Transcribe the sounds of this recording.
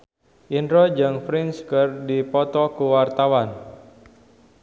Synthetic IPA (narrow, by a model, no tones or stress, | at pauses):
ʔindɾɔd͡ʒɨŋfɾinskərdipɔt̪ɔkuwart̪awan